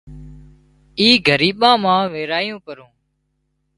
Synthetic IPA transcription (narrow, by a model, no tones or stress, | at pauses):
iːɡʱəɾiːɓãːmãːʋeːɾaːjõːkəɾõː